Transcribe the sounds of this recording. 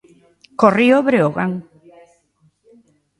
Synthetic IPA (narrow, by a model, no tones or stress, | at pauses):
korioβɾeoɣaŋ